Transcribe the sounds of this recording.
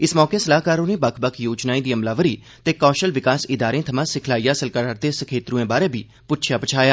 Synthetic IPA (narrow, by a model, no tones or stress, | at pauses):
ɪsmɔːkeːsəlaːɦkaːɾoːnẽːbəkʰbəkʰjoːd͡ʒnaːiːd̪iːəmlaːʋəɾiː | t̪eːkɔːʃəlʋɪkaːsɪd̪aːɾẽːt̪ʰəmãːsɪkʰlaːijaːsəlkəɾaɾt̪eːsəkʰeːt̪ɾũːẽːbaːɾeːbʱiː | pʊtt͡ʃʰjaːpət͡ʃʰaːjaː